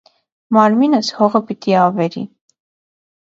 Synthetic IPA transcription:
mɑɾminəshɔʁəpit̪iɑvɛɾḭ

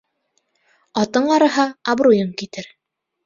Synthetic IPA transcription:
ɑt̪ɤɴɑɾɤ̆ɦɑːbɾujɤŋkit̪ɘɾ

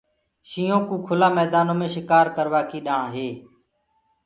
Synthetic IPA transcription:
ʃiːõːkũːkʰʊlaːmɛːd̪aːnõːmẽːʃɪkaːɾkəɾʋaːkiːɗãːɦeː

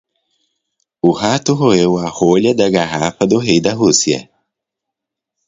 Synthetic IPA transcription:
ʊhat̪ʊɦoewahoʎɐd̪ɐɡaɦafɐd̪ʊɦejd̪ɐɦusiɐ̰

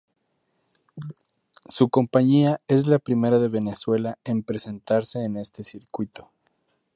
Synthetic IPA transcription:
suko̞mpaɲiae̞zlapɾime̞ɾaðe̞βe̞ne̞swe̞lae̞mpɾe̞se̞nt̪aɾse̞ːne̞st̪e̞siɾkwit̪o̞̥

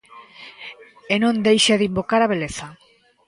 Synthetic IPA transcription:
enõnd̪ejʃaðimbokaɾaβeleθa

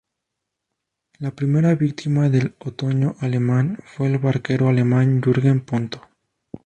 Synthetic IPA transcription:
lapɾime̞ɾaβik̚t̪imaðe̞lot̪o̞ɲo̞ʔale̞mãnfwe̞ːlβaɾke̞ɾoale̞mãnd͡ʒuɾɣempont̪o̥

